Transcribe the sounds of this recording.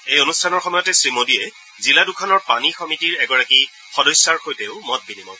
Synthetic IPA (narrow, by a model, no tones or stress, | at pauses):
ejonustʰanɔɹxɔmɔjɔtɛsɹimodiɛ | ziladukʰɔnɔɹpanixɔmitiɹɛɡɔɹaki | xɔdɔjsaɹxojtɛʊmɔt̚binimɔ̰